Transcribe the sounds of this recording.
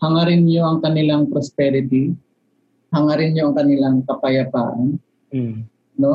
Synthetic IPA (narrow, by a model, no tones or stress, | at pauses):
hɐŋaɾɪnɲoʔɐŋkɐnɪlaŋpɾɔspɛɾɪt̪i | hɐŋaɾɪnɲoʔɐŋkɐnɪlaŋkɐpɐjɐt̪a̰ːʔɐn | no